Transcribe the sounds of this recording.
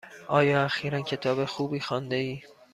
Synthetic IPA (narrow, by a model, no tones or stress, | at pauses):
ʔɒːjɒːæxiːɾæncʰe̞t̪ʰɒːbe̞xuːbiːxɒːnd̪e̞iː